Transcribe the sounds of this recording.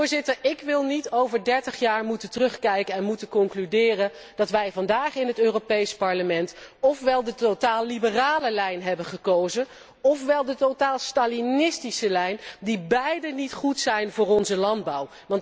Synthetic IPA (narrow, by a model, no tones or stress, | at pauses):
ɹzɪtəɹɪkʋɪlˠnitowvəɹdɛɹtəχjaːɹmutəntərɵχkɛjkəɛnmutənkɔŋklydɪːrən | d̥ɑtʋɛjvɑndaːχɪnɦətøːropejspɑɹləmɛntɔfʋɛlˠdətotaːlːibəraːləlɛjnɦɛbəχəkowzə | ɔfʋɛlˠdətotaːlˠstaːlinɪstisəlɛjndibɛjdənitχutsɛjnvʊːɹɔnzəlɑnd̚bɑw | ʋɑnt